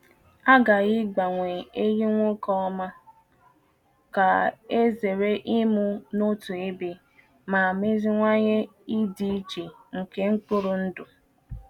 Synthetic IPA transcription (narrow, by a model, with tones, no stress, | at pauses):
a˦ɡa˨ɣɪ˦ɡ͡ba˨ŋʷe˨e˦ji˦ŋʷʊ˦kɔ˦ɔ˦ma˦ | ka˨e˦ze˨ɾe˦ʔi˦mu˦no˦tu˨e˦be˨ | ma˨a˨me˦zi˦ŋʷa˦ɲe˦i˦di˦i˦t͡ʃe˨ŋ̩˨ke˦ŋ̩˦k͡pʊ˦ɾʊ˨n̩˦dʊ˨